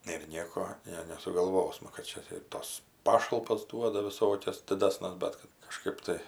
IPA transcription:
ɪr ˈnʲiɛkoː ˈnʲɛ nʲɛsʊɡɐlˠˈʋoːsmɐ kɐt ˈt͡ʃʲɛ tɐɪ ɪr ˈtɐs ˈpɑːʃɐlˠpɐs ˈduɔdɐ ʋʲɪˈsoːkʲɛs dʲɪˈdɑːsʲnʲɛs ˈbʲɛt kɐt kɐˈʃkɐɪp tɐɪ

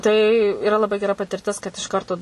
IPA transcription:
tɐɪ ɪˈrɐ lˠɐˈbɐɪ ɡʲɛˈrɐ pɐtʲɪrʲˈtʲɪs kɐt ɪʃ ˈkɐrtoː

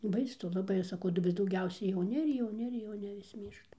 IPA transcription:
bɐɪsʊ lˠɐˈbɐɪ ˈɐʃ sɐˈkɐʊ dɐˈbɐr dɐʊˈɡʲɛʊsʲɛ jɛʊˈnʲɪ ɪr jɛʊˈnʲɪ ɪr jɛʊˈnʲɪ ʋʲɪs ˈmʲiːrʃtɐ

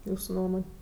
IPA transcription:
ˈjuːsʊ ˈnuɔmoːnʲ

